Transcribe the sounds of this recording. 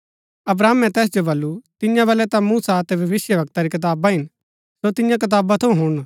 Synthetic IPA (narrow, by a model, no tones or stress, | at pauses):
ɐbɾaːmɛ̃t̪ɛːs̬d͡ʒobɐlːut̪ɪjãbɐlɛt̪ãmuːsat̪ɛbʱɐʋɪsjəʋɐk̚t̪aɾikɐɪt̪̬aːbaɦɪn | sot̪ɪjãk̬ɪt̪̬aːbat̪ʰɐũɦʊɽ̃